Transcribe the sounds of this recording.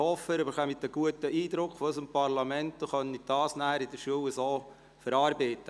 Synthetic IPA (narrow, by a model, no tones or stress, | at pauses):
hɔfəɾbəχœmidəɡ̥uətːəiːd̪ɾʊkχfɔsəmpɑrlɑmɛntːoχœnːid̪̥ɑːsnæːɾid̥əʃuəwəsoː | fəɾɑːɾbɛɪt̪ːə